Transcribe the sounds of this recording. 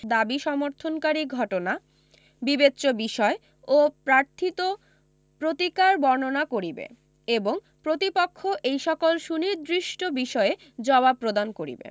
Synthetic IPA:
d̪abiʃɔmoɾt̪ʰonkaɾiɡʱɔʈona | bibetːɕobiʃɔe | opɾaɾt̪ʰit̪o | pɾot̪ikaɾbɔɾnonakoɾibḛ | eboŋ | pɾot̪ipokʰːoʔejʃɔkolʃuniɾd̪ɾiʃʈobiʃɔe | d͡ʑɔbapːɾod̪ankoɾḭbḛ

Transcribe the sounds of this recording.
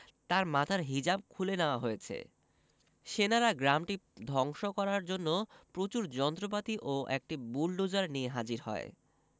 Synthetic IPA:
t̪aɾmat̪ʰaɾɦid͡ʑab̚kʰuleneoaɦojet͡ɕʰḛ | ʃenaɾaɡɾamʈid̪ʱɔŋʃokɔɾaɾd͡ʑonːopɾot͡ɕuɾd͡ʑɔnt̪ɾop̬at̪iʔoʔɛ̰k̚ʈibulɖud͡ʑaɾnieɦad͡ʑiɾɦɔ̰e

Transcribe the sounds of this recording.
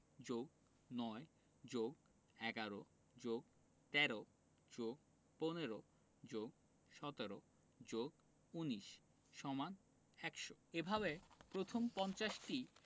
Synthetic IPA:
d͡ʑoɡ | nɔe | d͡ʑoɡ | ɛɡaɾo | d͡ʑoɡ̚ | t̪ɛɾo | d͡ʑoɡ̚ | poneɾo | d͡ʑoɡ̚ | ʃɔt̪eɾo | d͡ʑoɡ | uniʃ | ʃɔman | ɛkʃoebʱaβepɾot̪ʰompɔnt͡ɕaʃʈi

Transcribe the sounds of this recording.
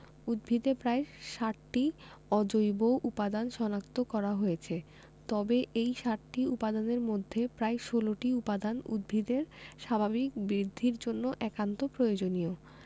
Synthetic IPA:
ud̪̚bʱid̪epɾaeʃaʈːi | ɔd͡ʑojboʔupad̪anʃɔnak̚t̪okɔɾaɦojet͡ɕʰe | t̪ɔbeʔejʃaʈʈiupad̪aneɾmod̪ʱːepɾaeʃoloʈiupad̪anṵd̪̚bʱid̪eɾʃabʱabik̚bɾid̪ʱːiɾd͡ʑonːoʔɛkant̪opɾojod͡ʑonio

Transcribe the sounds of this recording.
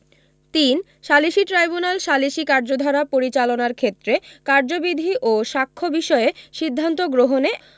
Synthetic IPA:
t̪in | ʃaliʃiʈɾajbunalʃaliʃikaɾd͡ʑod̪ʱaɾapoɾit͡ɕalonaɾkʰet̪ːɾekaɾd͡ʑobid̪ʱiʔoʃakʰːobiʃɔeʃid̪ʱːant̪oɡɾoɦone

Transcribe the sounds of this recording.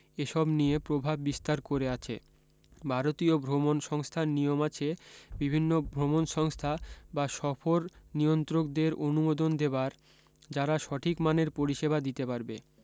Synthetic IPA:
eʃɔbnijepɾobʱabːist̪aɾkoɾeat͡ɕʰḛ | bʱaɾot̪iobʱɾomonʃɔŋst̪ʰanijomat͡ɕʰebibʱinːobʱɾomonʃɔŋst̪ʰabaʃɔfoɾnijont̪ɾok̚d̪eɾonumod̪ond̪ebaɾ | d͡ʑaɾaʃɔʈʰikmaneɾpoɾiʃebad̪it̪epaɾbḛ

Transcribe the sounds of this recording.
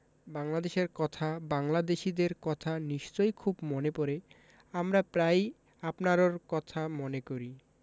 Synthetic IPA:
baŋlad̪eʃeɾkɔt̪ʰabaŋlad̪eʃid̪eɾkɔt̪ʰaniʃt͡ɕojkʰubmonepɔɾe | amɾapɾaj | apnaɾoɾkɔt̪ʰamonekoɾi

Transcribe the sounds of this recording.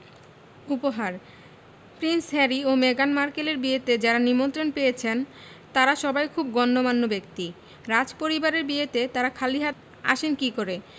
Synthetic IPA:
upoɦaɾ | pɾinsɦɛɾiomeɡanmaɾkeleɾbiet̪ed͡ʑaɾanimont̪ɾonpejet͡ɕʰen | t̪aɾaʃɔbajkʰub̚ɡɔnːomanːobek̚t̪i | ɾad͡ʑpoɾibaɾeɾbiet̪et̪aɾakʰaliɦat̪ | a̰ʃenkikoɾe

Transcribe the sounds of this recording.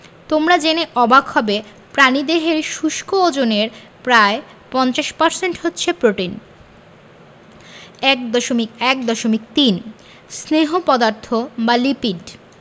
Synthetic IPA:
t̪omɾad͡ʑeneʔɔbʱaɡhɔbe | pɾanid̪eɦeɾʃuʃkʰood͡ʑoneɾ | pɾae | pɔnt͡ɕaʃpɔɾseɳʈɦotːɕʰepɾoʈin | ɛk̚d̪ɔʃomikɛk̚d̪ɔʃomik̚t̪in | sneɦopɔd̪aɾt̪ʰobalipiɖ

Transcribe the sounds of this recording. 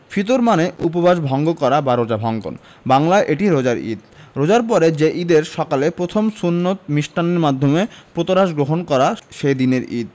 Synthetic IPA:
fʰit̪oɾmaneup̬obaʃbʱɔŋɡokɔɾabaɾod͡ʑabʱɔŋɡo̰n | baŋlaeʔeʈiɾod͡ʑaɾḭd̪̚ɾod͡ʑaɾpɔɾed͡ʑeʔid̪eɾʃɔkalepɾot̪ʰomsunːot̪miʃʈaneɾmad̪ʱːomepɾot̪oɾaʃɡɾoɦonkɔɾaʃed̪ineɾḭd̪̚

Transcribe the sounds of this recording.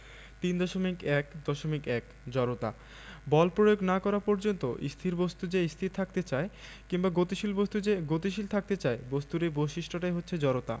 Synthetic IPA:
t̪ind̪ɔʃomikɛkd̪ɔʃomikɛk | d͡ʑɔɾot̪a̰ | bɔlpɾojoɡnakɔɾapɔɾd͡ʑont̪oʔḭst̪ʰiɾbost̪ud͡ʑeist̪ʰiɾt̪ʰak̚t̪et͡ɕae | kiŋbaɡot̪iʃilbost̪ud͡ʑeɡot̪iʃilt̪ʰak̚t̪et͡ɕaebost̪uɾeboʃiʃʈʰoʈajɦotːɕʰed͡ʑɔɾot̪a̰

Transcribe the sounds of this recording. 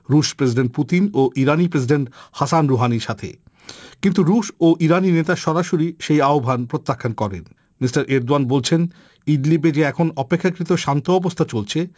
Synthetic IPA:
ɾuʃpɾes̬iɖeɳʈ̚put̪inoʔiɾanipɾes̬iɖeɳʈhasanɾoɦaniɾʃat̪ʰḛ | kint̪uɾuʃoʔiɾaninet̪aʃɔɾaʃoɾiʃejaobʱanpɾot̪ːakʰːankɔɾḛn | misʈaɾʔeɾd̪oanbolt͡ɕʰen | iɖlibed͡ʑeɛkʰonɔpekʰːakɾit̪oʃant̪oɔbost̪ʰat͡ɕolt͡ɕʰe

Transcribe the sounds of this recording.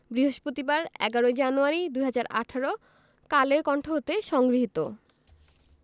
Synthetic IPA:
bɾiɦoʃpɾot̪ibaɾɛɡaɾoed͡ʑanuaɾid̪ujɦad͡ʑaɾa̰ʈʰaɾo | kaleɾkɔɳʈʰoɦot̪eʃɔŋɡɾiɦit̪o̰

